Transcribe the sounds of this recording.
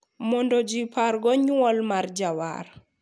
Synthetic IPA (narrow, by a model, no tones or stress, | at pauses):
mɔndɔd͡ʒipʰaɾɡɔɲuwɔlmaɾd͡ʒawa̰ɾ